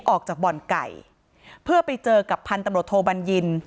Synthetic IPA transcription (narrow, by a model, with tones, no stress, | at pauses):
ʔɔː˨˩k̚t͡ɕaː˨˩k̚bɔ˨˩nka̰˨˩j | pʰɯ˥˩ɐpa˧jt͡ɕɤː˧ka˨˩pʰːa˧nt̪a˧mɾu˨˩t̪ʰːoː˧ba˧nji˧n